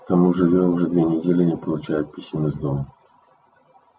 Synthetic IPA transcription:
kt̪ɐmuʐɨvʲoʊʐɛd̪vʲenʲɪdʲelʲɪnʲɪpəlˠʊt͡ɕæjʊt̪̚pʲisʲɪmʲəzd̪omə

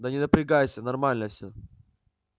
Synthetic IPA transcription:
d̪ənʲɪnəpɾʲɪɡajɪsʲənɐrmalʲnəfʲsʲɵ

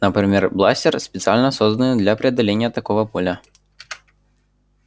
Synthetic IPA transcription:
nəpɾʲɪmʲerblˠasʲtʲɪrspʲɪt̪sɨalʲnəsozd̪ənɨd̪lʲapɾʲɪɐd̪ːɐlʲenʲɪjət̪ɐkovəpolʲə

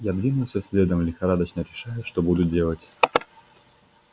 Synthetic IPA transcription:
jad̪vʲinʊlˠsʲɐsʲlʲed̪əmlʲɪxaɾad̪ɐt͡ɕnəɾʲɪʂajʊʂt̪ɔbud̪ʊdʲelˠɐt͡sʲ

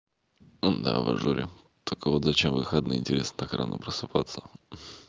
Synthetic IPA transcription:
d̪a̰vɐ̰ʐuɾʲɪ̰ | t̪olʲkəvot̪zɐt͡ɕemvɨxəd̪nɨɪnʲtʲɪɾʲe̞snət̪akɾa̰no̰pɾəsɨpat̪sːə̥

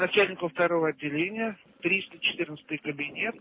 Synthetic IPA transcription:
nɐt͡ɕælʲnʲɪkəft̪ɐɾo̞vəɐd̪ʲːɪlʲenʲɪjə | t̪ɾʲist̪ət͡ɕɪ̥t̪ɨrnətst̪ɨjkəbʲɪnʲe̞t̪̚

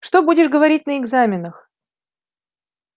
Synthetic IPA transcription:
ʂt̪obudʲɪʂɡəvɐɾʲit̚ʲnəɪɡzamʲɪnəx

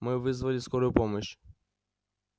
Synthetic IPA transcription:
mɪʋɪzʋɐlʲiskɔɾɔjʊpɔmɔʃ

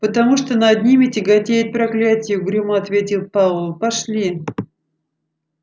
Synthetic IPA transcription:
pət̪ɐmuʂt̪onɐd̪ʲnʲimʲɪtʲɪɡɐtʲejɪt̪̚pɾɐklʲætʲɪjʊɡɾʲuməɐt̪vʲetʲɪlˠpavlˠəpɐʂlʲi

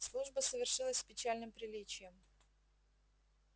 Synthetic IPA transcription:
slˠuʐbəsəvʲɪrʂɨlˠəsʲsʲpʲɪt͡ɕalʲnɨmpɾʲɪlʲit͡ɕɪjəm

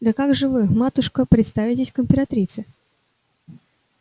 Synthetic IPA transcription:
d̪əkaɡʐɨvɨmat̪ʊʂkəpɾʲɪt̪st̪avʲɪtʲɪsʲkəmʲpʲɪɾat̪ɾʲit̪sɨ

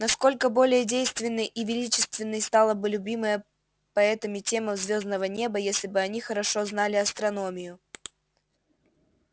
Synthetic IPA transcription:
nɐsko̞lʲkəbo̞lʲɪjədʲejst̪vʲɪnːɨjʔivʲɪlʲit͡ɕɪst̪vʲɪnːɨjst̪ɑlˠəbɨlʲʉbʲimɨjə | pɐɛt̪əmʲɪtʲe̞məzvʲo̞znəvənʲe̞bəjesʲlʲɪbɨɐnʲixəɾɐʂoznalʲɪɐst̪ɾɐnomʲɪjʊ

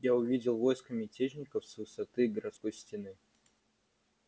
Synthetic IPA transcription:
jaʊvʲidʲɪlˠvojskəmʲɪtʲet͡ɕnʲɪkəfsvɨsɐt̪ɨɡəɾɐt̪sko̞jsʲtʲɪnɨ

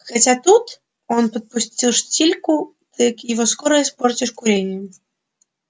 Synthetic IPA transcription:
xat͡sʲat̪ut̪ | ɔnpɐt̪̚pʊsʲt͡sʲilˠʂt͡sʲilʲku | t̪ɨjɐkjɪvɔskɔɾəjɛspɔrt͡sʲiʂkʊɾʲenʲɪjɛ

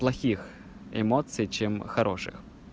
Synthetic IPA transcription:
plˠɐxʲix | ḛmɔt̪sijt͡ʃɪmxɐɾɔʃɪ̰x

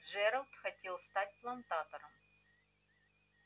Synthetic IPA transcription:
ʐɛɾɐlˠt̪xɐtʲelˠst̪atʲplˠɐnt̪at̪əɾəm

